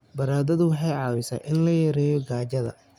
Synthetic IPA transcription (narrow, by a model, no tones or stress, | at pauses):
bɐɾaːðɐðʊwɑħɑjʕɑːwɪsɐ̰ʔɪnlɐjɐɾɛːjɔɡaːd͡ʒɐðɐ̰